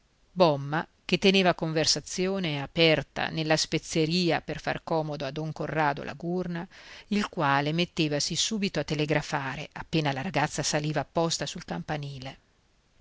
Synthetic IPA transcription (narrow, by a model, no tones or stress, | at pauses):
bɔmːak̟et̪ːeneːvakoɱversat̪sːjoːneapɛrt̪a̰nelːaspet̪sːeɾiːaperfa̰rkɔːmod̪oad̪ːɔŋkorːaːd̪o̰la̰ɡurnailkwaːlemet̪ːeːvasisuːbit̪oat̪ːeleɡɾafaːɾeapːeːnalaɾaɡat̪sːasaliːvaːpːɔst̪asulkampaniːle